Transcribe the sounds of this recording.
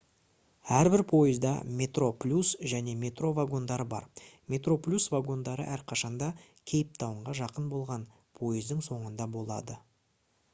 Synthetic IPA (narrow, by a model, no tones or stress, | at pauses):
æɾbɪɾpʰo̞jəzd̪ɑ̰mʲe̞t̪ro̞plʲusʒæne̞mʲe̞t̪ro̞vaɡo̞nd̪ɑɾəbɑ̰ɾmʲe̞t̪ro̞plʲusvaɡo̞nd̪ɑɾə̰ʔæɾqʰɑʃɑnd̪ɑ | kʲʰe̞jɪp̚t̪ʰɑwəɴʁɑʒɑqənbo̞lˠʁɑn | pʰo̞jəzd̪ɪŋso̞ɴənd̪ɑbo̞lˠɑ̰d̪ə